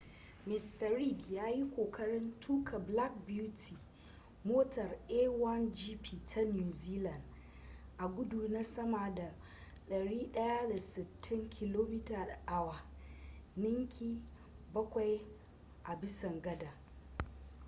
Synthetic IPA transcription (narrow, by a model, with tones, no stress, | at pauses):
mɪ˨stɐ˨ɾi˦ɡjaː˦ji˦kʷoː˨kʰɐ˦ɽɪ˦ntʰuː˦kʰa˨bla˦k̚bju˦tʰi˨ | moː˦tɐ˨rʔeː˦wɐ˦nd͡ʒiː˦piː˨tʰa˦njuː˨ziː˦lɐ˨nd | ʔa˨ɡʷʊ˦duː˨na˦sɐ˦ma˨da˨ | ɗɐ˨ɽiː˦ɗɐ˦ja˦da˨sɪ˨tʰːɪ˦ŋkʰʲɪ˦loː˦mɪ˦taː˨da˨ʔa˦wa˨ | nɪ˦ŋkʲʰiː˦ | bɐ˦kʷa˨j | ʔa˨bɪ˦sɐ˨ŋɡɐ˦da˨